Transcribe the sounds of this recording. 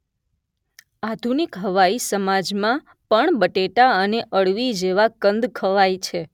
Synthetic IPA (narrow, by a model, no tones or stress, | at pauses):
ad̪ʱunikɦəʋaisəmad͡ʒmã | pəɳbəʈeʈaəneʔəɭʋid͡ʒeʋakənd̪kʰəʋait͡ʃʰe